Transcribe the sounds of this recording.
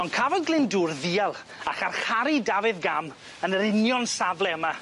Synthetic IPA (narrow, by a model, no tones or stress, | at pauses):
ɔnkʰavɔdɡlˠɪnduːrðiːalˠ | aχarχaɾidavɨðɡam | ənəɾɪnjɔnsavlˠɛəma